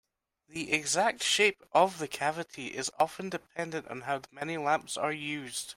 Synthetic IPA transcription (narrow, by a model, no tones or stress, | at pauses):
ðiʔɪɡzak̚tʃepəvðəkʰavɪʔiʔɪzɔfə̃ndɪpʰɛ̃ndə̃nʔn̩ɦaʊðəmɛnilˠãmpsə˞jʉzd̥